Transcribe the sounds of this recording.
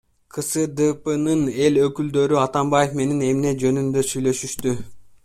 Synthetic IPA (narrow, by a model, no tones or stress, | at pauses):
qʰɯsɯd̪ɯpɯnɯne̞lø̞kyld̪ø̞ɾyɑt̪ɑmbajefme̞nine̞mne̞d͡ʒø̞nynd̪ø̞syjlø̞ʃyʃt̪y